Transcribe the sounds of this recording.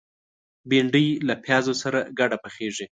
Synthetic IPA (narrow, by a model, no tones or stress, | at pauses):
biɳɖəjlapʰjɑzosaɾaɡaɖapəxeʐi